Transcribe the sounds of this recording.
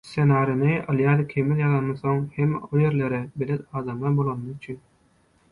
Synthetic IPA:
senɑːɾiniɑlˠjɑd̪ikʲʰemiljɑðɑnːɯθo̞ŋhemoje̞ɾleɾɛbeled̪ɑːd̪ɑmɑbolˠɑnːɯyt͡ʃʰyn

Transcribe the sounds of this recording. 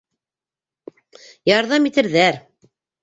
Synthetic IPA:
jɑɾðɑmit̪ɘ̆ɾðæɾ

